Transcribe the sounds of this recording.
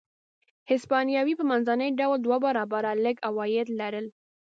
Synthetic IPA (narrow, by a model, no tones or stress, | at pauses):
hɪspɑnjɑwipəmanzanəjɖawld̪wabaɾɑbaɾaləɡawɑjɪd̪laɾəl